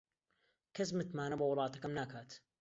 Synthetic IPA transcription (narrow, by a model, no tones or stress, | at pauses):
kazmat̪maːnabawɾˤɑːt̪akamnaːkaːt̪